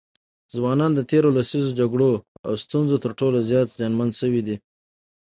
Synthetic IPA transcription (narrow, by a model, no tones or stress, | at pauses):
zwɑnɑnd̪ət̪eɾolasizod͡ʒaɡɽoa̰wst̪unzot̪əɾʈolozjɑt̪zjɑnmand̪ʃəwid̪i